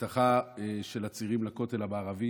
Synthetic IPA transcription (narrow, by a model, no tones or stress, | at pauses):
taχaeʃe̞lat͡siʁimlako̞te̞labaːʁavi